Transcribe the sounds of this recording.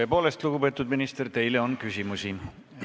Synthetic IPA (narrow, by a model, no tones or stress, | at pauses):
po̞ːle̞st̪luɡupe̞ːt̪ːˑud̪minist̪ert̪e̞jle̞onkysʲimusi